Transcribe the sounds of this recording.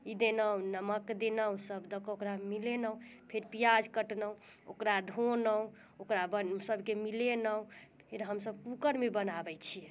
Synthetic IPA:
id̪enəwnəməkd̪enəwsəbd̪əkokɾamilenə̃pʰeɾpijad͡ʒkəʈnəw | o̰kɾad̪ʱonəw | okɾabənsəbʱkemilenəũpʰeɾɦəmsəb̚kukəɾmebənabɛt͡ʃʰijɛ

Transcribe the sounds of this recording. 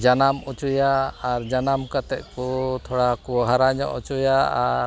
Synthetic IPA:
d͡ʒanamut͡ʃujaːɾd͡ʒanamkat̪ɛc̚kut̪ʰɔɽakuɦaɾaɲɔ̰ʔut͡ʃujaaɾ

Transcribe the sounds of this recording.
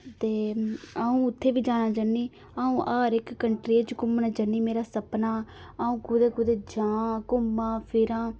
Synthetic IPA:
t̪eːaːũːʊt̪ʰːeːʋiːd͡ʒaːnaːd͡ʒaniː | aːũːʔaːɾɪkːəɳʈɾeːt͡ʃkʊmnaːd͡ʒəniːmeːɾaːsəpnaː | aːũːkʊd̪eːkʊd̪eːd͡ʒãːkʊmːãːpʰɪɾãː

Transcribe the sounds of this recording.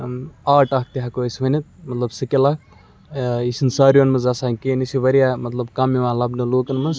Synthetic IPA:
aːʈɐk̚t̪iɦakosʋɐnit̪̚mɐt̪lɐbsɨkʲela | isinsɐːɾjonmɐzɐsaːnkeːnisiʋɐɾijamɐt̪lɐbkɐmiʋaːlɐbnɐloːkɐnmɐz

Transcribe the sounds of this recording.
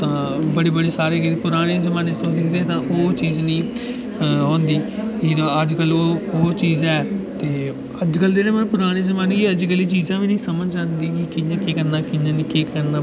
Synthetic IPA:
t̪ãːbəɽiːbəɽiːsaːɾeːkit̪ːpʊɾaːɽ̃eːzəmãːnest̪ʊ̃sd̪ɪkʰd̪eːɛ̃ːt̪ãːʔoːt͡ʃiːznĩː | ɦõːnd̪iːit̪ãəd͡ʒkəloːoːt͡ʃiːzɛːt̪eː | əd͡ʒkəld̪eːɾɛ̃ːmənpʊɾaːɽ̃eːzəmaːneeːəd͡ʒkəliːt͡ʃiːzãːʋiːnĩːsəməd͡ʒd͡ʒãːnd̪iːkɪkɪãːkeːkəɾnaːkɪjãːnĩːkeːkəɾnãː

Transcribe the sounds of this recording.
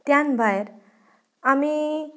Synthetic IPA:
t̪janbʱajeɾ | ami

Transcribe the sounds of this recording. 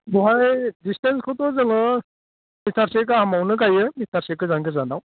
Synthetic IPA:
bɔɦajdistenskʰɔt̪ɔzɯŋɯ | mit̪ʰaɾsek̬aɦamawnɯk̬ajɯmit̪ʰaɾsekɯzaŋɡɯzanaw

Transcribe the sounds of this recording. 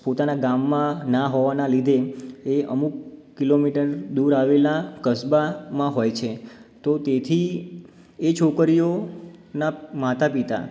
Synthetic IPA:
pot̪anaɡamːãnaɦoʋanalid̪ʱeeə̰mukː | ilomiʈəɾd̪uɾaʋelakəsbamãɦojt͡ʃʰet̪ot̪et̪ʰi | et͡ʃʰokəɾijonamat̪apit̪a̰

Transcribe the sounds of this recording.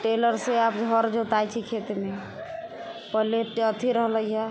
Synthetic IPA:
ʈeləɾseapɡʱəɾd͡ʒet̪ajt͡ʃʰikʰet̪me | pəɦleʈət̪ʰiɾəɦləja

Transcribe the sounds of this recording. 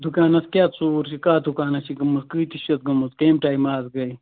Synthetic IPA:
d̪ukaːnɐskʲaːt̪t͡suːɾʃikaːd̪ukaːnɐsiɡɐmɐskɨːjt̪iʃɐt̪̚ɡɐmɐskɐːmʈaːjmaːzɡɐj

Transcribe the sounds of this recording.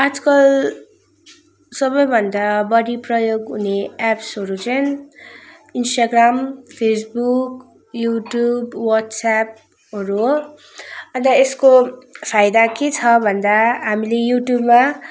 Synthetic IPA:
ad͡zkʌl | sʌbʌjbʱʌnd̪abʌɽiprʌjoɡɦuneapsɦʌɾut͡sʌn | insʈaɡrampʰes̬buk | juʈjubwʌt̪sap̚ | ɦʌɾu | ʌnd̪ʌeskopʰajd̪aket͡sʰʌbʱʌnd̪aɦamilejuʈjubma

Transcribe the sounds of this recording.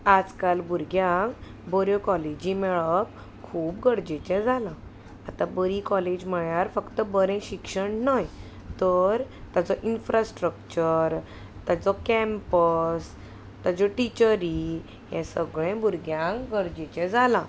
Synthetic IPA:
ad͡zkalbuɾɡjãŋk | bɔɾjɔkɔled͡ʑimɛɭəp | kʰuːpɡəɽd͡ʑet͡ɕɛ̃d͡zalã | at̪ãbəɾikɔled͡ʑm̤əɭjaɾfəkt̪əbəɾɛ̃ɕikʂəɳnaj | t̪əɾt̪at͡sɔʔinfɾasʈɾəkt͡ɕəɾ | t̪at͡sɔkɛmpəs | t̪ad͡zɔʈit͡ɕəɾi | jɛ̰̃səɡɭɛ̃buɾɡjãŋkɡəɾd͡ʑet͡ɕɛ̃d͡zalã

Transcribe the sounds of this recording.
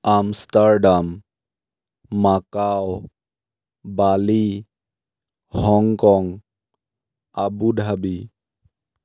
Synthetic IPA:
amstaɹɖam | akaw | bali | hɔŋkɔŋ | abudʱabi

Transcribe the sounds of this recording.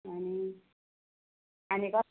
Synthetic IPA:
ɦʌni | ɦanikʌ

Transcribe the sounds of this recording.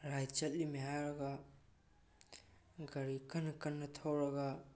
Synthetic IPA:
ɾajt͡ʃɐt̚limiɦajɾɐɡa | ɡɐɾikɐnkɐnːɐtʰawɾɐɡa

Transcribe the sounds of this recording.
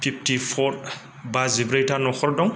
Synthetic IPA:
fʰip̚tifɔɾ | bazibɾajtanɔxɔɾdɔŋ

